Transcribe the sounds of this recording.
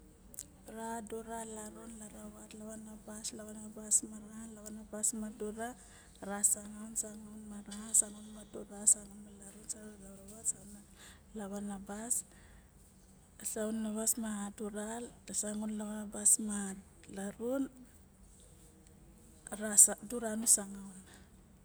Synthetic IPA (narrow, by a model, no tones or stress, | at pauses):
ɾaduɾalaɾunlaɾaβatlaβanabaslaβanabasmaɾahalaβanabasmaduɾa | ɾasaŋawnsaŋunmaɾahasaŋunmaduɾasaŋunmalaɾunsaɾunlawɾaβatsawna | laβanabas | saunːaβasmahaduɾaltasaŋunlaβanabasma | laɾun | ɾaduɾanusaŋawn